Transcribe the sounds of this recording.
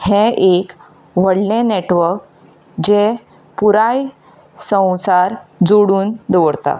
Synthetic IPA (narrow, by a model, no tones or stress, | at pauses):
hẽʔek | ʋ̤əɽlẽneʈʋəɾk | d͡ʑe | puɾaj | sə̃w̃saɾd͡zoɽuːnd̪əʋəɽt̪a̰